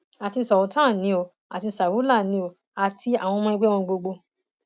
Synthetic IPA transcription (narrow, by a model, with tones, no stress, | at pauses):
a˨ti˧sɔ˨u˨˦tã˦˨nĩ˨˧˦o˧ | a˨ti˧sa˨wu˨˦la˦˨nĩ˨˦o˧ | a˨ti˧a˨w̃ɔ̃˧mɔ̃˧˦i˧ɡ͡be˦ɔ̃˧ɡ͡bo˧ɡ͡bo˧